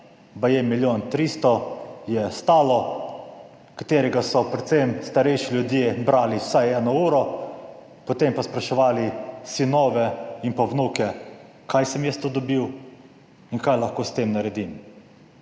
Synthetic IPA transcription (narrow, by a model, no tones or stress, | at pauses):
bajemiljoːnt̪ɾiːst̪ɔjɛst̪aːlɔ | kḁt̪eːɾɛɡasɔpɾɛt̪semst̪aɾɛjʃilʲjud̪jeːbɾaːliwsajɛːnɔuːɾɔ | pɔt̪empaspɾaʃɛʋaːlisinoːʋɛinpawnuːkɛ | kʰajsɛmjɛst̪oːd̪ɔbiw | inkajlɐxkoːst̪emnaɾɛd̪im